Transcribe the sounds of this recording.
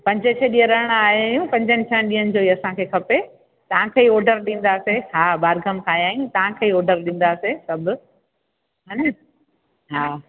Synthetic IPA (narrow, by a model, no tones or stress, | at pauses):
pɐ̃ɲd͡ʑət͡ɕʰeɗijəɾəɽɽ̃aːɦiaːɦjũpɐ̃ɲd͡ʑənɪt͡ɕʰənɪɗiənɪd͡ʑoːiɐsãkʰeːkʰɐpe | t̪ɐʋ̤ãkʰeːiɔːɾɖəɾɗĩːn̆d̪aːseɦaːbaːɾɡʱəmkʰaːjaːɦijũt̪ɐʋãkʰeːɔːɾɖəɾɗĩːn̆d̪aːsesɐbʊ | ɦɐn | ɦaː